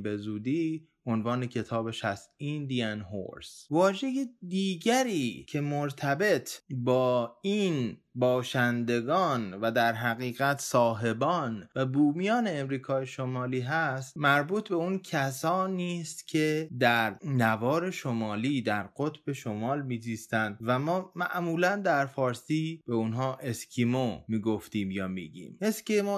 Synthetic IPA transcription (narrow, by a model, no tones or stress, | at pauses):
be̞zuːd̪iː | ʔo̞nvɒːne̞cʰe̞t̪ʰɒːbe̞ʃæst̪ind̪ijænɦo̰ɾsvɒːʒe̞jed̪iːɟæɾiːcʰe̞moɾt̪ʰæbe̞t̪ʰbɒːiːnbɒːʃænd̪e̞ɡɒːnvæd̪æɾɦæɣiːɣæt̪ʰsɒːɦe̞bɒːnvæbuːmijɒːne̞ːmɾiːkʰɒːjeʃomɒːliːɦæst̪mæɾbuːt̪ʰbe̞uncʰæsɒːniːst̪cʰe̞d̪æɾnævɒːɾe̞ʃomɒːliːd̪æɾɢo̞t̪ʰb̥e̞ʃo̞mɒːlmiːd͡ʒiːst̪ænd̪væmɒːmæ̰ʔmuːlænd̪æɾfɒːɾsiːb̥e̞unɦɒːʔe̞skʰimomiːɡo̞ft̪iːmjɒːmḭːɟḭːmeskimo